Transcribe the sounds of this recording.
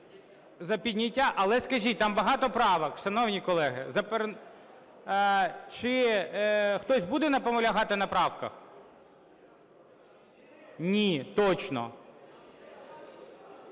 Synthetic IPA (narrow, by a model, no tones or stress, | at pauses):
zɐpʲid̪ʲnʲitʲːaʔɐlˠɛskɐʒʲit̚ʲt̪ɑmbɐɦɑt̪ɔpɾɑʋɐkʃɐnɔwnʲikɔlˠɛɦɪ̰zɐpɛr | t͡ʃɪ | xt̪ɔsʲbud̪ɛnɐpɔmɔlʲɐɦɑt̪ɪnɐpɾɑwkɐ̰x | nʲit̪ɔt͡ʃnɔ̰